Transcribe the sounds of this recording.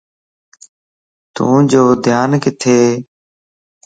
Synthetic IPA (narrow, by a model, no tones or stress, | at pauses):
t̪ṵ̃ːd͡ʒoːd̪ʱjaːnkɪt̪ʰeː